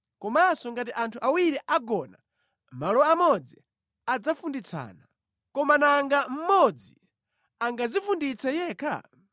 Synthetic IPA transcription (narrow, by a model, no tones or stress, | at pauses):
kɔmasɔŋɡat̬iʔantʰuʔawiɾiʔaɡɔna | malɔamɔd͡zi | ad͡zafundit͡sʰa̰ːna | kɔmanaŋɡam̩mɔd͡zi | aŋɡazifundit͡sɛjɛːkʰa̰